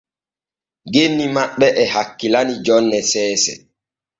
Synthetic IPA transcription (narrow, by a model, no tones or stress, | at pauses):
ɡenːimaɓːɛʔɛhakːilanid͡ʒɔnːɛsɛːsɛ̰